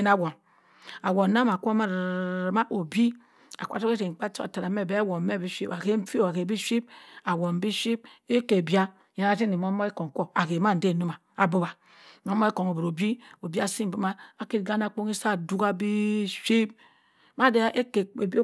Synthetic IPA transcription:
e˦na˦˨wo˨n | a˨wo˨na˦ma˨kʷo˦ma˦ɾma˦ʔo˨bi˦ | a̰˨kʷa̰˨to˦ke˦te˨k͡pa˦t͡ʃo˦a̰˨ta˨ɾa˨˦me˦˨be˨˦a˦wo˨m˦me˦˨bi˦ʃi˦pa˨ke˦m̩˦fi˦o˨a˨ke˨bi˦ʃi˦b̚a˨wo˨m̩˨˦bi˦ʃi˦b̚e˦ke˨bja˦ | je˨˦a˨ti˦ni˨mo˦mo˦e˦ko˨ŋ˨ko˦a˨ke˨ma˦n̩˨de˦˨no˦ma˨ | a˨bo˦ba˨ | mo˦mːo˦e˦ko˨ŋo˨bu˨ɾo˨bi˦o˨bi˦a˦si˦m̩˨bi˦ma˦a˨ki˦tɡa˦na˦˨k͡po˦ŋi˦sa˦˨du˦ka˦bi˦ʃi˦p̚ | ma˦de˦ʔe˦ke˨b

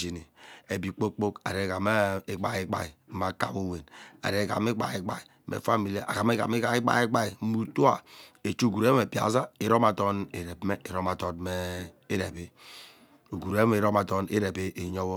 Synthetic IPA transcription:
d͡ʒi˨ni˨e˨bi˨k͡po˦k͡po˦ka̰˨ɾe˨ka˨ma˦e˦ɡ͡ba˨ji˦ɡ͡ba̰˨i˨˦ma˨ka̰˨wo˦˨we˨na̰˨ɾe˨˦˨ka̰˨me˦ɡ͡ba̰˨i˦ɡ͡ba˨i˨ | mḛ˨fa˦mi˨la˨ʔa̰˨ɡa˨m˦e˦ka̰˨m˦i˦ɡa˨i˦ɡ͡ba̰˨˦i˦ɡ͡ba˨i˨˦mu˨tu˦a˨e˨t͡ʃu˦o˦˨ɡu˨ɾe˦me˨pi˨a̰˨˦za˦i˨ɾo˦ma˨tɔ˦ne˨ɾe˨bme˦i˨ɾo˦ma˨tɔ˨nme˦e˦ɾe˨be˦ | o˨ɡu˨ɾe˦e˨ɾo˦ma˨tɔ˦nḛ˦ɾe˨be˦ʔe˨ɲɔ˦wɔ˦

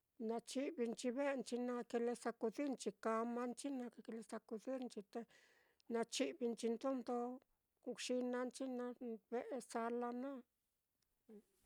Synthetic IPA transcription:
na˧t͡ʃi˧bi˧nt͡ʃi˧be˦nt͡ʃi˧na˧ke˧le˧sa˧ku˧d̪i˦ɾnt͡ʃi˧ka˧ma˦nt͡ʃi˦na˧kke˧le˧sa˧ku˧d̪i˦ɾnt͡ʃi˧t̪e˧ | na˧t͡ʃi˧bi˧nt͡ʃi˧nd̪o˦nd̪o˧ | ku˧kʂi˧na˧nt͡ʃi˦na˧be˦˧ʔsa˧la˧na˦˨

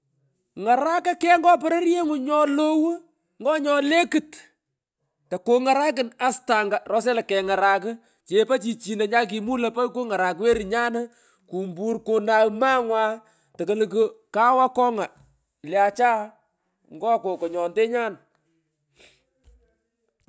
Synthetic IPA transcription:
ŋa˨ɾa˦ka˦kɛ˦ŋɡɔ˦p̬ɔ˦ɾe˦ɾje˦ŋʊ˨ɲɔ˦lo˦wu˦ | ŋɡɔ˦ɲɔ˦le˦kɨ˨t | ta˨ko˨ŋa˨ɾa˦k̬ɪ˨na˨sta˨ŋɡa˨rɔ˦s̬ɛ˦la˨kːɛ˨ŋa˨ɾa˨k̬ɪ˦ | t͡ʃe˨pa˦t͡ʃi˨t͡ʃi˨na˨ɲa˦k̬i˨mu˦lɐ˨pa˦jko˦ŋa˨ɾa˨kwe˦ɾɪ˨ɲa˦n˦ | ku˨mbu˦rkʊ˨na˨wma˦ŋwaː˦ | tɐ˨kə˦lk̬ʊ˦ka˦wa˦kɔ˦ŋa˨ | lja˨t͡ʃaː˦ | ŋɡɔ˦ko˨kɔ˨ɲɔ˨nde˦ɲa˦n

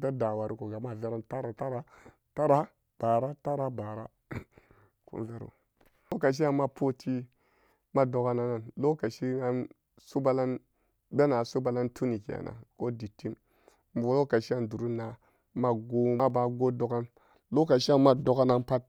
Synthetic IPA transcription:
ta˦da˨wa˨ɾi˦ko˨ɡa˨ma˦˨ve˦ɾa˦nta˦ɾa˨ta˦ɾa˦ | ta˦ɾa˦ | b̥a˨ɾa˦ta˦ɾa˦ba˨ɾa˦ | kṵ˦n˦ve˦ɾo̰˨ | o˦ka˨ʃ̬i˦a˦ma˦pʰo˦tʰi˦ | ma˦do˨ka˦na˨na˨nlo˦ka˨ʃi˦a˦n | su˦ba˦la˦n | be˦na˨su˦ba˦la˦ntʰu˦ni˨ka̰˨nʔa̰˨ko˦di˨tːi˦m | m˨bo˨lo˦ka˨ʃi˦a˦˨ndu˨ɾu˦na˨ | ma˦ɡo˦a˦ba˨ɡo˦do˨ka˦n | lo˦ka˨ʃi˦a˦ma˦do˦ka˦na˦npa˦t̚

